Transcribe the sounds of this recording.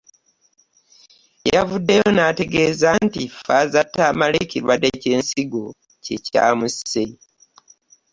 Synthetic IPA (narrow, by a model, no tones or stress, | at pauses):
javudːe̞jo̞nate̞ɡe̞ːzantifazatːaːmalikiɾwadeceːnsiɡo̞ | ceca̰ːmuse